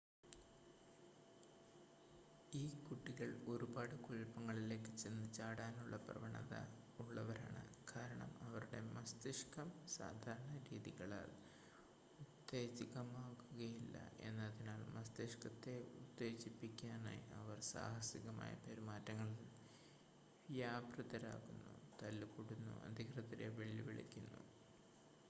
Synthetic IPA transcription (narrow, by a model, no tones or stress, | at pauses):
iːkuʈːiɣɐɭo̞ɾubaːɽɨkuɻpːɐŋːɐɭile̞ːkːɨt͡ɕenːɨt͡ɕaːɽaːnuɭːɐprɐ̰ʋɐɳɐ̰ðɐ̰ | uɭːɐʋɐɾa̰ːɳɨ̰kʰaːɾɐɳɐmɐʋɐɾuɽe̞mɐst̪iʂkɐmsa̰ːd̪ʱaːɾɐɳɐɾiːðiɣɐɭa̰ːl | ut̪ːe̞ːt͡ɕiɣɐmaːkːuɣɐjilːɐ̰e̞̰nːɐðinaːlmɐst̪iʂkɐt̪ːe̞ut̪ːe̞ːt͡ɕipːikʲːaːna̰jiɐʋɐrsa̰ːhɐsiɣɐma̰ːjɐ̰pɐɾumaːtːɐŋːɐɭil | ʋjaːbrɐðɐɾa̰ːɣunːut̪ɐlːkuɽunːṵʔɐ̰d̪ʱiɣrɐt̪ɐɾeʋeɭiʋiɭḭkʲːunːṵ